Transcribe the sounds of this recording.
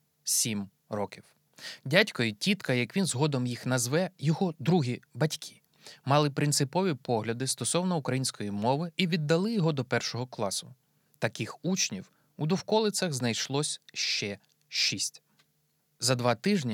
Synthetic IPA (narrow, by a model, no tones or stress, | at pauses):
sʲim | rɔkʲiw | dʲatʲkɔjʊtʲit̪kɐjɐkʋʲinzɦɔd̪ɔmjixnɐzʋɛjɔɦɔd̪ɾuɦʲibɐtʲkʲʰi̥ | mɑlˠɪpɾɪnt̪sɪpɔʋʲipɔɦlʲɐd̪ɪst̪ɔsɔwnɔukɾɐjinʲsʲkɔjimɔʋɪiʋʲid̪ːɐlˠɪjɔɦɔd̪ɔpɛrʃɔɦɔklˠɑsʊ | t̪ɐkɪxut͡ʃnʲiw | ud̪ɔwkɔlˠɪt͡ssʲɐɣznɐjʃlˠɔsʲʃt͡ʃɛ | ʃisʲtʲ | zɐd̪ʋɑt̪ɪʒnʲi